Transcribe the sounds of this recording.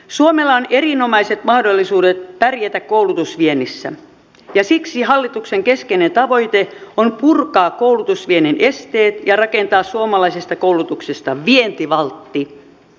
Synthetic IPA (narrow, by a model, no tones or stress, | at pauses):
suomelːɑonerinomɑiset̪mɑhdolːisuːdet̪̚pærjæt̪ækkoulut̪usʋienːisːæ̰ | jɑsiksiɦɑlːit̪ukseŋkeskenent̪ɑʋo̞it̪eonpurkɑːkkoulut̪usʋieninʔest̪eːt̪jɑrɑkent̪ɑːssuomɑlɑisest̪ɑkouwlut̪uksest̪ɑʋient̪iʋɑlt̪ːi